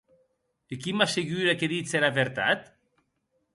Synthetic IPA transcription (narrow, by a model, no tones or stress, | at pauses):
ekimaseɣyɾekeðiseɾaβeɾt̪a̰t̪